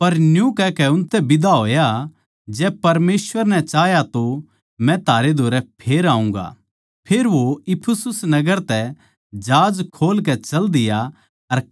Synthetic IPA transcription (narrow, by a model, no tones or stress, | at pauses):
pɐɾnjũkɛkɛʊ̃nt̪ɛbɪd̪aɦoːja | d͡ʒɛːpɐɾmeːsʋəɾnɛ̃t͡ʃaːjat̪o | mɛ̃t̪ʰaːɾed̪ʱoːɾɛpʰeːɾaːũŋɡa̰ | pʰeːɾʋoɪpʰʊsʊsnɐɡəɾt̪ɛ | d͡ʒaːd͡ʒkʰoːlkɛt͡ʃɐld̪ɪja | ɐɾ